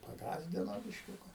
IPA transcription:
pɐˈɡɑːzʲdʲɪnoː bʲɪʃʲˈkʲʊkɐ

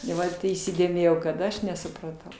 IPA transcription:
ɪ ˈʋɐt iːsʲɪdʲeːˈmʲeːjɛʊ kɐt ˈɐʃ nʲɛsʊprɐˈtɐʊ

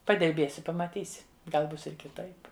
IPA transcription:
pɐdʲɪrʲˈbʲeːsʲɪ pɐmɐˈtʲiːsʲɪ ˈɡɐlˠ ˈbʊs ɪr kʲɪˈtɐɪp

